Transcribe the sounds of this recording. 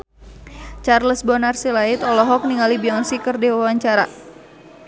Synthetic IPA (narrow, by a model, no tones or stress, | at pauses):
t͡ʃarləsbɔnarsilait̪ɔlɔɦɔk̚niŋalibiɔnsikərdɛwawaɲt͡ʃaɾa̰